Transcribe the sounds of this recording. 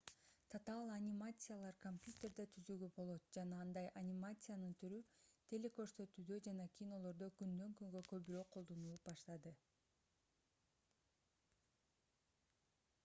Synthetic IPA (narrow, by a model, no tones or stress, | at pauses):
t̪ʰat̪alˠanʲimat̪sɨjalˠɑɾkomʲpʲjut̪ʲe̞rd̪et̪ʰyzyɡybo̞lˠo̞t̪̚d͡ʒɑnɑɑnd̪ɑjʔanʲimat̪sɨjanɯnt̪ʰyɾyt̪ʰe̞lʲe̞kø̞ɾsø̞t̪yːd̪ø̞d͡ʒɑnɑkʲʰino̞lˠo̞ɾd̪o̞kynd̪øŋkyŋɡøkø̞βyɾøːqʰo̞lˠd̪o̞nuːbɑʃt̪ɑd̪ɯ